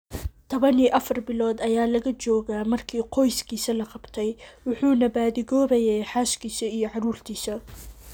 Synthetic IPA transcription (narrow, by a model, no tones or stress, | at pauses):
t̪ʰɔβɐniːʔɐfɐrbɪlɔːd̪ɐjaːlɐɣɐt͡ʃɔːɣaːmɐrkʰiːqɔjskʰiːsɐlɐqɑbt̪ʰɛjwʊħuːnɐbaːðɪɣɔːβɛjɛːħaːʃkʰiːsɐijɞʕɑɾuːrt̪ʰiːsɐ